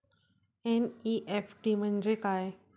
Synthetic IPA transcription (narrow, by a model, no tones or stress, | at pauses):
eniʔefʰʈim̤ənd͡ʑekaːe